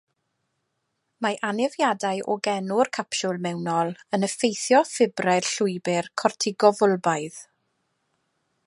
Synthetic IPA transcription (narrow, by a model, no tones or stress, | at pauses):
maʔanɪvjadajʔɔɡɛnʊrkʰapʃʊlˠmɛwnɔlˠənəfejθjɔfɪbrar̥ɬʊjbɪrkʰɔrtʰɪɡɔvʊlˠbajð̥